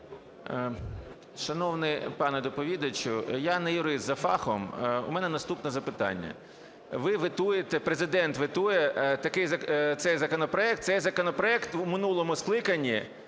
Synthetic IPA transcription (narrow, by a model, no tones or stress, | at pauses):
ʃɐnɔwnɪjpɑnɛd̪ɔpɔʋʲid̪ɐt͡ʃʊjanɐjʊɾɪszɐfɑ̰xɔ̰mṵmɛnɛnɐst̪upnɔzɐpɪt̪ɑ̰nʲːɐ̰ | ʋɪʋɪt̪ujet̪ɛpɾezɪd̪ɛnt̪ʋɪt̪ujɛt̪ɐkɪjzɐt̪sɛjzɐkɔnɔpɾɔɛk̚t̪sɛjzɐkɔnɔpɾɔɛkt̪wmɪnulˠɔmʊsklˠɪkɐnʲːi